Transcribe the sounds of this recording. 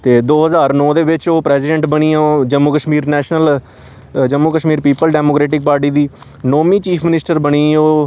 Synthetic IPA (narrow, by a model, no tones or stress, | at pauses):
t̪eːd̪oːɦəzaːɾnɔːd̪eːbɪt͡ʃoːpɾɛːsɪɖɛ̃ɳʈbəɽiːãod͡ʒəmːuːkəʃmiːɾnɛːʃnəl | d͡ʒəmːuːkəʃmiːɾpiːpəlɖɛːmoːkɾɛːʈɪk̚paːɾʈiːd̪iː | noːmĩːt͡ʃiːpʰmɪnɪsʈəɾbəɽ̃iːoː